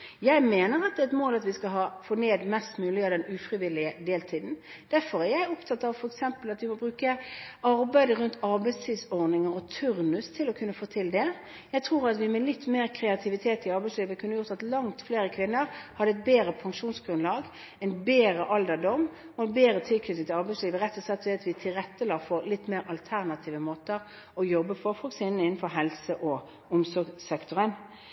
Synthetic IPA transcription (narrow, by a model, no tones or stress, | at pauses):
jæɪmeːnəɾɑt̪̚d̪ɛːɛt̪moːlɑt̪ʋɪskɑɦɑːfoːneːd̪mɛst̪mʉːlɪɑd̪ɛnʉfɾɪʋɪlɪəd̪eːlt̪ʰiːd̪n̩ | d̪̥æɾfɔɾæɾjæɪʊpt̪ʰɑt̪ːɑʋfɔɾɛksɛmpəlɑt̪ʋɪmɔbɾʉːkəɑɾbæɪd̪əʁʉnt̪ʰɑʁbæɪst̪ʰiːd̪sɔʁnɪŋəʁɔt̪ʰʉʁnʉst̪ʰɪlɔkʰʉnːəfoːt̪ʰɪld̪ɛ | jæɪt̪ʰʁuːʁɑt̪ʋɪmɛlɪt̪ːmeːʁkʰɾɛɑt̪ʰɪʋɪt̪ʰeːt̪ɪɑɾbæɪsliːʋəkʰʉnːəjʊʁt̪ɑt̪lɑŋt̪fleːɾəkʰʋɪnːəɾhɑd̪əɛt̪̚beːɾəpʰɑŋʂuːnsɡ̥ɾʉnlɑːɡ | ɛɪnbeːɾəʔɑld̪əd̪ɔm | ɔɛnbeːɾət̪ʰɪlkʰnʏt̪ɪŋt̪ʰɪlɑʁbɛɪsliːʋəʁɛt̪ːɔsɑt̪ːʋɛɑt̪ʋɪt̪ʰɪlɾɛt̪ːəlɑːfɔɾlɪt̪ːmeːɾɑlt̪ʰæʁnɑt̪ʰiːʋəmoːt̪əɾ | ɔjɔbːəfɔɾfɔksɪːnn̩ɪnːn̩fɔʁɦɛlsəʔɔ | ʊmsɔɾɡsɛkt̪ɔɾən